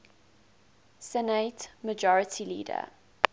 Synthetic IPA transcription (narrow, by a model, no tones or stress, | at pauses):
sɛnetməd͡ʒɔɹətʰilḭːdə̰